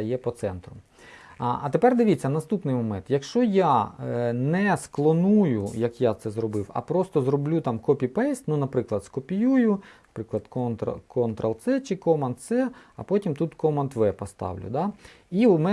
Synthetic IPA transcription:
ɐjɛpɔt̪sɛnt̪ɾʊ | ɐt̪epɛrd̪ɪʋʲit͡sʲːɐnɐst̪upnɪjmɔmɛnt̪jɐkʃt͡ʃɔja | nɛsklˠɔnujʊjɐkjat̪sɛzrɔbɪwɐ̰pɾɔst̪ɔzɾɔblʲut̪ɑmkɔpʲipɛsʲtʲnunɐpɾɪklˠɐd̪skɔpʲijujʊɐpɾɪklˠɐd̪kɔnt̪kɔnt̪ɾɐlˠt̪sɛt͡ʃɪkɔmɐnt̪sɛɐpɔtʲimt̪ut̪kɔmɐnt̪ʋɛpɔst̪ɑ̰wlʲʊ̰d̪ɑ | imɛ

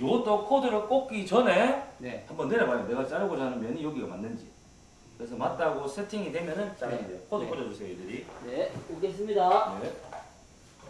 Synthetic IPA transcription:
jot͈okʰodɯɾok͈ok͈it͡ɕʌne̞nehambʌnːeɾamajone̞ɡat͡ɕ͈aɾɯɡod͡ʑanɯmjʌnɯnjoɡiɡamanːɯnd͡ʑḭ | kɯɾe̞sʰʌmat̚t͈aɡosʰe̞tʰiŋidwe̞mjʌnɯnt͡ɕ͈aɾadejokʰodɯkʰod͡ʑʌd͡ʑos͈ejoidɯɾineoɡes͈ɯmɲidane

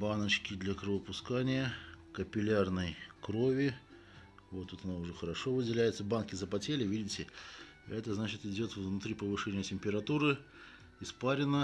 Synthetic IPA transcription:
banət͡ɕkʲɪd̪lʲɐkɾɨvəpʊskanʲɪjəkəpʲɪlʲarnəjkɾo̞vʲɪ | vo̞t̪ːut̪ɐnaʊʐɛxəɾɐʂo̞vɨdʲɪlʲæjɪt̪səbankʲɪzəpɐtʲelʲɪvʲidʲɪtʲɪ | ɛt̪əznat͡ɕɪt̪ɪdʲo̞t̪vvnʊt̪ɾʲipəvɨʂɛnʲɪjətʲɪmʲpʲɪɾɐt̪uɾɨ | ɪspaɾʲɪnə

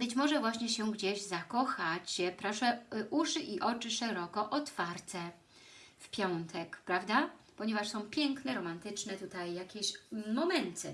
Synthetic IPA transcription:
bɘt͡ɕmɔʐɛvwaɕɲɛɕɛɡd͡ʑeʑzakɔxat͡ɕpɾɔʂɛʔuʂɘʔiʔɔt͡ʂɘʂɛɾɔkɔʔɔt̪faɾt̪ɛ | fpʲjɔnt̪ʰɛkpɾavd̪apɔɲɛvaʂsɔ̃w̃pʲjɛŋknɛɾɔmant̪ɘt͡ʂnɛt̪ut̪ajːakʲeɕmɔmɛnt̪ʰɘ

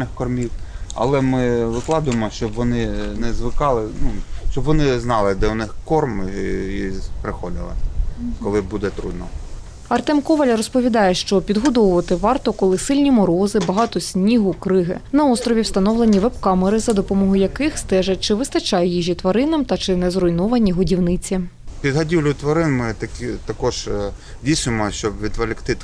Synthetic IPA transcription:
nɪxkɔrmʲiwɐ̰lˠɛmɪʋɪklˠɑd̪ʊjemɔʃt͡ʃɔbʋɔnɪnɛzʋɪkɑlˠɪnuʃt͡ʃɔbʋɔnɪznɑlˠɪd̪ɛʊnɪxkɔrmipɾɪxɔlʲɪ̰lˠɪ̰kkɔlˠɪbud̪ɛt̪ɾṵd̪nɔ | ɐrt̪ɛmkɔʋɐlʲɐɾɔspɔʋʲid̪ɑjɛʃt͡ʃɔpʲid̪ɦɔd̪ɔʋʊʋɐt̪ɪʋɑrt̪ɔkɔlˠɪsɪlʲnʲimɔɾɔzɪbɐɦɑt̪ɔsʲnʲiɦʊkɾɪɦɪ̰nɐɔst̪ɾɔʋʲiwst̪ɐnɔwlˠenʲiʋɛpkɑmɪɾɪzɐd̪ɔpɔmɔɦʊjɐkɪxst̪ɛʒɐt͡ʃɪʋɪst̪ɐt͡ʃɑjɛjiʒʲit̪ʋɐɾɪnɐmt̪ɐt͡ʃɪnɛzrɔjnɔʋɐnʲiɦʊdʲiwnɪt͡sʲipʲid̪ɦɐdʲiwlʲʊt̪ʋɐɾɪnmɪt̪ɐkʲt̪ɐkɔʒ | dʲijsnʊjemɔʃt͡ʃɔbʋʲid̪ʋɐlʲɪkt̪ɪt̪

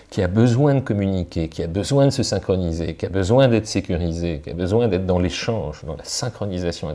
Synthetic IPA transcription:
kʰʲiabəzwɛ̃d̪əkɔmynikʲekʲiabəzwɛ̃d̪əsəsɛ̃kχɔnizekʲiabəzwɛ̃d̪ɛt̪χəsekʲyʁizekʲia̰bəzwɛ̃d̪ɛt̪χd̪ɑ̃leʃɑ̃ʒd̪ɑ̃lasɛ̃kχɔnizasjɔ̃ɛ̃

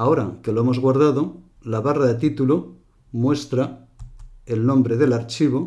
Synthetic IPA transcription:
ao̞ɾakeloemo̞zɣwaɾð̞aðo̞ | laβaraðet̪it̪ulo | mwe̞st̪ɾa | elnõ̞mbɾe̞ðe̞laɾt͡ʃiβ̞o

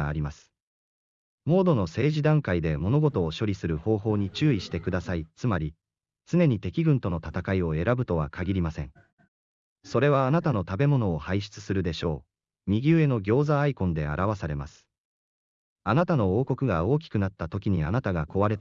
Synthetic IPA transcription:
aːɾʲimasɨ̥ | mo̞ːd̪o̞no̞se̞ːʑid̪ãŋkaid̪e̞mo̞no̞ɡo̞t̪o̞ːɕo̞ɾʲisɨɾɯ̟ho̞ːɦo̞ːɲ̟it͡ɕɨːiɕi̥t̪e̞kɯ̟d̪asait͡sɨmaɾʲi | t͡sɨne̞ɲ̟it̪e̞kʲiɡɯ̟̃nt̪o̞no̞t̪at̪akaio̞e̞ɾabɯ̟t̪o̞βa̰kʰaɡʲiɾʲimasẽ̞̰ɴ | so̞ɾe̞β̞aːnat̪ano̞t̪abe̞mo̞no̞ːhaiɕi̥t͡sɨ̥sɨɾɯ̟d̪e̞ɕo̞ː | mʲiɡʲɨːe̞no̞ɡʲo̞ːzaːikõ̞nd̪e̞a̰ɾʔaβ̞asaɾe̞ma̰sɨ̥ | anat̪ano̞oːko̞kɯ̟ɡao̞ːk̬ʲi̥kɯ̟nat̪ːat̪o̞kʲiɲ̟ia̰nat̪aɡako̞βaɾe̞t̪

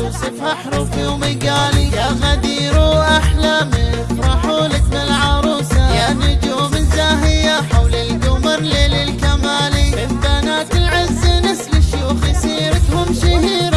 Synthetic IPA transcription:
usˤɨfʔaħɾˤuːfjoːmiɡaːlijaɣad̪iːɾuʔaħlamɪfɾˤɑħuːlɪt̪nɪlʕɑɾˤuːsajaʕnid͡ʒuːmɪnzaːɦɪjaħawlɪlɡʊmɑɾˤleːlɪlkamaːlimɪfbanaːt̪ɪlʕɪzːinɪslɪʃjuːxisiːɾɪt̪hʊmʃɪhiːɾ

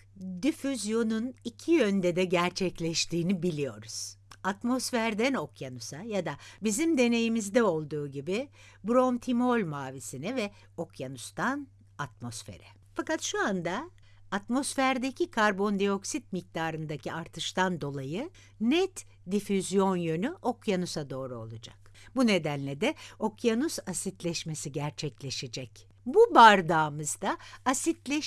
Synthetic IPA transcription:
d̪ifyzjo̞nunicʰijø̞nd̪ɛd̪ɛɟæɾt͡ʃʰɛclʲɛʃt̪ʰiːnibilʲijo̞̰ɾuz̥at̪mo̞sfæɾd̪æno̞kʰjanusajad̪abizimd̪e̞ne̞jimizd̪ɛo̞lˠd̪uːɟibɪ | buɾo̞mt̪ʰimo̞lʲmaːvisinɛvɛ | o̞kjanust̪ʰan | at̪̚mo̞sfe̞̰ɾɛ | fakat̪ʃuand̪aː | t̪mo̞sfæɾd̪ecʰikʰaɾbo̞nd̪eo̞ksit̪̚mic̚t̪ʰaːɾɯnd̪aciaɾt̪ʰɯʃt̪and̪o̞lˠajɯ | nɛt̪ | d̪ifyzjo̞njø̞nyʔo̞kjanusad̪o̞ːɾuo̞̰lˠud͡ʒa̰k | bune̞d̪ænlʲɛd̪ɛo̞kʰjanusasit̪lʲɛʃmesiɟæɾt͡ʃʰɛclʲeʃed͡ʒɛc | bubaɾd̪aːmɯzd̪aːsit̪lʲɛ

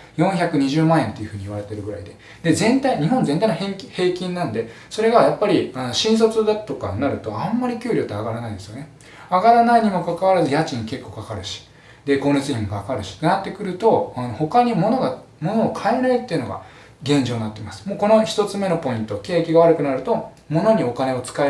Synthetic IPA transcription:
jõɰ̃çakɯ̟ɲ̟iʑɨːmãẽ̞nt̪ːe̞jɯ̟ɸɯ̟ːɲ̟iβaɾe̞t̪e̞ɾɯ̟ɡɯ̟ɾa̰id̪e̞ | d̪̥e̞zẽ̞nt̪aiɲ̟iɦõ̞nzent̪ainohehe̞ːkʲĩnːãnd̪e̞ | so̞ɾe̞ɡajapːaɾʲianoɕĩɰ̃s̬o̞t͡sɨd̪at̪o̞ka̰naɾɯ̟t̪o̞ãmːaɾʲikʲɨːɾʲo̞ːt̪eaɡaɾanaid̪e̞sɨjo̞ne̞ | aɡaɾanaiɲ̟imo̞kakaβ̞aɾazɨjat͡ɕĩŋke̞kːo̞ːkakaɾɯ̟ɕi̥ | d̪e̞ko̞ːnet͡sɨɲʲĩmokaːkaɾɯ̟ɕi̥t̪ːenat̪ːe̞kɯ̟ɾɯ̟t̪o̞ano̞ho̞kaɲ̟imo̞no̞ɡa | mo̞no̞ːkʰaeɾaɯ̟t̪ːeɯ̟no̞̰ɡa̰ | ɡẽ̞ɲ̟d͡ʑoːnat̪ːe̞masɨ̥mo̞ːko̞no̞çi̥t̪o̞t͡sɨme̞no̞po̞ĩnt̪o̞ke̞ːkʲiɡaβ̞aɾɯ̟kɯ̟naɾɯ̟t̪o̞ | mo̞no̞ɲ̟io̞kane̞o̞t͡sɨ̥kae

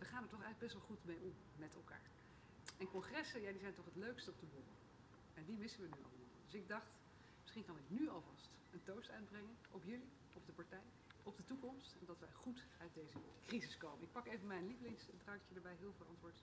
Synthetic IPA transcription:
ʋəχaːnəɹtɔχɛjləɡbɛstʋɑlˠχutmejɔm | mɛtɛ̰lˠka̰ːɹ | ɛnkɔχrɛsənjaːdizɛjntɔχɦətløɥkstəɔb̚dəbomə̰ | ɛndimɪsənʋənyɑ̰lˠmɔ̰ld̥ɵsɪɡ̚dɑχt | mɪsχinkɑnɪknyɑlˠvɑst | əntowstœɥd̚brɛŋənʔɔpjɵli | ɔb̚dəpɑɹtɛj | ɔbdətukɔmstɛndɑtʋɛjχut | œɥt̚dejzəkrizɪskowmənɪk̚pɑkejvənmɛjnliflɪŋsdrɑŋkjədəɹbɛjɦɪːlˠvɪːlˠɑ̰ntʋʊːɹt

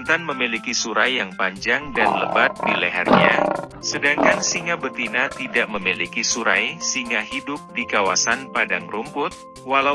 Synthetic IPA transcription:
nt̪anməmilikisuɾajːaŋpaɲd͡ʒaŋdanləbat̪̚dileɦa̰rɲasədaŋkansiŋabət̪inat̪idaʔməmilikisuɾajsiŋaɦidʊp̚dikawasanpadaŋrumpʊt̪̚ | wala

